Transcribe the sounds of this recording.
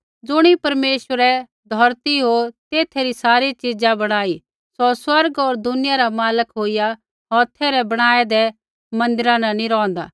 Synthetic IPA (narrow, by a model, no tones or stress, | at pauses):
d͡zʊɽ̃ipɐɾmeːʃəɾɛ | d̪ʱɔːɾt̪iɦot̪eːt̪ʰeɾisaːɾit͡ʃid͡zabɐɽ̃aːi | soswɐɾɡɔːɾd̪ʊnɪjaɾamaːləkɦoːija | ɦɔt̪ʰeːɾɛbɐɽ̃aːɛd̪ɛ | mɐ̃nd̪ɪɾãnɐnĩɾɔ̃ːn̆d̪a̰ː